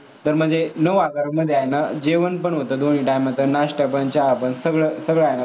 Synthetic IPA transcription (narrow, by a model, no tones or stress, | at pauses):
t̪əɾm̤əd͡zenəʋaɡaɾəmːəd̪ʱːeajnad͡ʑeʋənpəɳʋot̪əd̪oɳ̤̃iːʈajmət̪ənaɕʈəpənt͡ɕaːpənsəɡɭəsəɡɭajna